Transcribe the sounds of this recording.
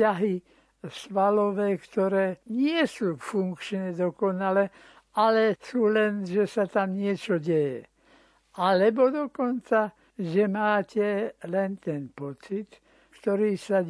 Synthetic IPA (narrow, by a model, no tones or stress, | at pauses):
aɦi | sʋalɔʋɛːkt̪ɔɾɛːɲɪɛsuːfuŋkt͡ʃɲɛd̪ɔkɔnalɛ | alɛsuːlɛnʒɛsat̪amɲɪɛt͡ʃɔɟɛjɛ̰ | alɛbɔd̪ɔkɔnt͡sa | ʒɛmaːcɛlɛnt̪ɛnpɔt͡sit̪ | kt̪ɔɾiːsa